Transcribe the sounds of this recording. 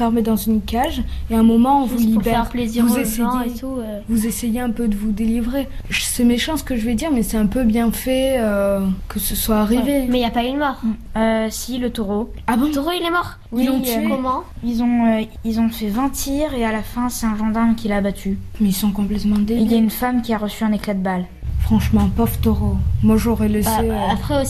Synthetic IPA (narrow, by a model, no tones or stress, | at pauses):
fɛʁmed̪ɑ̃zynkaʒeɛ̃mɔmɑ̃ɔ̃vuliubɛɛʁ̃pleziuzest̪uøvuzesɛjeɛ̃pød̪əvud̪elivʁe | ʒəsɛmeʃɑ̃sə̥kəʒəvɛd̪iʁmɛsɛɛ̃pøbjɛ̃fɛøkəsəswaːʁivemɛiljapayd̪mɔʁøsilət̪oʁo | abɔ̃t̪oʁoilɛmɔʁ | iɔ̃kɔmɑ̃ilzɔ̃ø | ilzɔ̃fɛvɛ̃t̪ʰiʁealafɛ̃sɛt̪ɛ̃ʒɑ̃d̪aʁmkʲilaːbat̪ʰymɛilsɔ̃kɔ̃plɛt̪mɑ̃d̪eilljaynfamkʲiaʁəsyɛ̃neklad̪əbal | fχɑ̃ʃmɑ̃paft̪oʁomwaʒɔʁɛlɛseapχɛo